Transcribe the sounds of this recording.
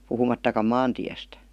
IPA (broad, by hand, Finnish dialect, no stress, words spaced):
puhumɑtːɑkɑm mɑːntiæstæ̥